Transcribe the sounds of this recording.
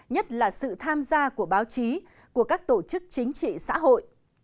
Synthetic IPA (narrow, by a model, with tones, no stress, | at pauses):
ɲə˦˥t̚laː˨˩sɨ̰˧˨t̪ʰaː˧mzaː˧ku˧˩əɓaː˨˦wt͡ɕi˨˦ | ku˧˩əkaː˦˥k̚t̪o˧˩t͡ɕɨ˦˥k̚t͡ɕï˨˦ŋ̟t͡ɕḭ˧˨sa̰ː˧˥ɦo̰˧˨j